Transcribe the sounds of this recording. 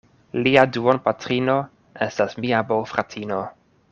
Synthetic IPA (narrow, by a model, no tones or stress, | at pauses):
liaduonpatɾino̞ | e̞stasmiabowfɾatʰino̞